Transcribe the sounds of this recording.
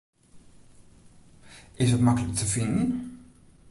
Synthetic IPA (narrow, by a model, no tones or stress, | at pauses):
ɪsətmakələk̚tʰəfɪndən